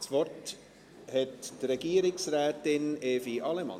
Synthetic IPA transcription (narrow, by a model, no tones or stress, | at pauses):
svɔrt | hɛttrɛɡ̥iːəɾɪksrɛːtɪneːfiʔɑlɛmɑ̰